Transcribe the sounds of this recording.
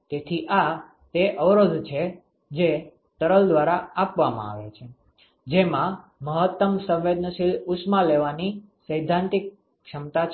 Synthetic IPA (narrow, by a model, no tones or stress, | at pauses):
t̪et̪ʰiʔa | t̪eʔəʋɾəd̪ʱt͡ʃʰe | d͡ʒe | t̪əɾəld̪ʋaɾaapʋamã̰a̰ʋḛt͡ʃʰe | d͡ʒemãməɦət̪ːəmsə̃ʋʋed̪nəʃilusmaleʋanisəjd̪ʱːãnt̪ik̚ː | ʃəmt̪at͡ʃʰ